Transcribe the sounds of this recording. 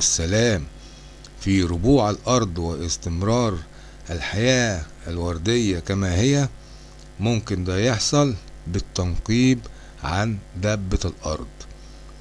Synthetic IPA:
ʔæsːælæːm | fiɾʊbuːʕalʔɑɾˤd̪ˤwɪʔɪst̪ɪmɾɑːɾˤ | ʔælħajæː | ælwɑɾˤd̪ɪjːækæmæːhɪjːæ | mʊmkɪnd̪æːjeħsˤɑlbɪt̪ːɑnqiːb | ʕand̪æbːælʔɑ̰ɾˤd̪ˤ

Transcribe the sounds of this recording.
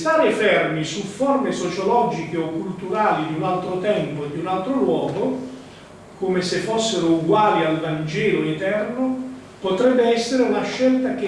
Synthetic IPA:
st̪aːɾefɛrmisuformesot͡ʃolɔd͡ʒikeɔkːult̪uɾaːlid̪iunalt̪ɾot̪ɛmpod̪iunalt̪ɾolwɔːɡo | komesefːosːeɾouɡwaːlialvand͡ʒɛːloet̪ɛrno | pot̪ɾɛbːeɛsːeɾeunaʃːɛlt̪ak̟e

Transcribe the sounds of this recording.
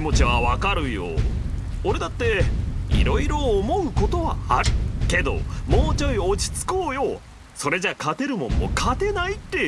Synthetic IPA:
imo̞t͡ɕiβaβakaɾɯ̟jo̞̰ | oɾe̞d̪at̪ːe̞ḭɾo̞iɾo̞ːmo̞ɯ̟ko̞t̪o̞βa̰aɾɯ̟ke̞d̪o̞̰moːt͡ɕoiot͡ɕi̥t͡sɨ̥ko̞ːjo̞ | so̞ɾe̞d͡ʑakat̪e̞ɾɯ̟mõ̞mːo̞̰kʰat̪e̞nait̪ːe̞

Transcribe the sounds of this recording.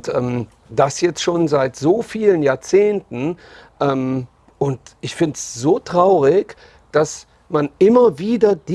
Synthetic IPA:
tʔɛːm | d̥asjɛt͡stʃoːnzaɪtz̥oːfiːlənjaːɐt͡seːntn̩ | ʔɛːm | ʔʊntʔɪçfɪntsz̥oːtʁ̥aʊʁɪç | d̥as | manʔɪmɐviːdɐd̥i

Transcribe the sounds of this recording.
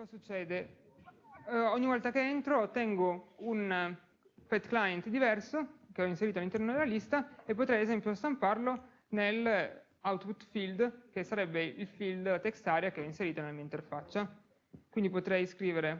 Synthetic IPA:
kɔzasut͡ʃːɛːd̪e | ɔɲːivɔlt̪akeent̪ɾot̪ɛŋɡoun | pɛd̪klajent̪d̪ivɛrsokeɔinseɾiːt̪oalːint̪ɛɾnod̪elːalist̪aepːot̪ɾɛjezɛmpjost̪amparlo | nel | awt̪put̪fild̪kesːaɾɛbːeilfild̪at̪ekst̪aːɾjakeɔinseɾiːt̪anelamiːaint̪erfat͡ʃːa | kwind̪ipot̪ɾɛjskɾiːveɾe

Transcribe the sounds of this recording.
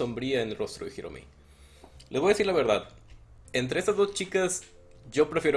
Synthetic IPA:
o̞mbɾiaenlro̞st̪ɾoixiɾo̰mḭ | lezβojaðesiɾlaβe̞ɾðað | ent̪̬ɾe̞est̪azðo̞st͡ʃikas | ʝo̞pɾe̞fjeo

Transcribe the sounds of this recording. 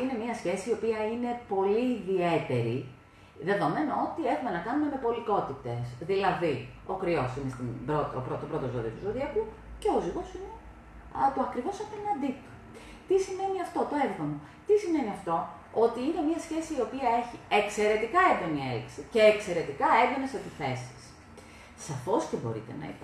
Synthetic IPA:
ine̞miɐsçe̞siːo̞piɐine̞po̞liːðie̞t̪e̞ɾḭ | ðe̞ðo̞me̞noo̞t̪ie̞xume̞nɐkɐnume̞me̞po̞liko̞t̪it̪e̞sðilɐði | o̞kɾio̞sinest̪ibɾot̪opɾot̪opɾo̞t̪ozoðiɐt̪uzoðiɐku | ce̞o̞ziɣo̞sine | t̪oɐkɾivo̞sɐpenɐnd̪it̪u̥ | t̪isime̞niɐft̪o̞t̪o̞evðono̞ | t̪isime̞niɐft̪o̞ | ot̪iine̞miɐsçe̞siːo̞piɐe̞çiekse̞ɾe̞t̪ikɐend̪onieiksice̞ːkse̞ɾe̞t̪ikɐed̪oneset̪iθesi̥sː | ɐfo̞scebo̞ɾḭt̪e̞̰nɐ̰ḭp

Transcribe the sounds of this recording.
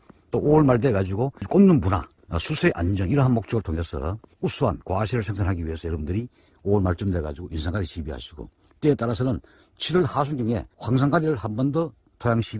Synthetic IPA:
t͈oʔoɭmaɭde̞ɡad͡ʑiɡok͈onnɯnpuna̰ | sʰusʰeeʔa̰nd͡ʑʌŋiɾʌɦanmok̚t͡ɕ͈ʌɡɯɭtʰoŋɦesʰʌ̰us͈ʰuɦa̰nkwaɕʰiɾɯɭsʰeŋs̬ʰanɦaɡiɥiɦe̞sʰʌjʌɾʌbundɯɾi | oɭmaɭt͡ɕ͈ɯmde̞ɡa̰d͡ʑiɡoʔinsʰaŋɡaɾiɕʰibiɦa̰ɕʰiɡo̰ | t͈eːt͈aɾasʰʌnɯn | t͡ɕʰiɾɯɭhas̬ʰunɡɯŋe̞̰ɸwaŋs̬ʰaŋɡaɾiɾɯɭhambʌndʌ | tʰojaŋɕʰi

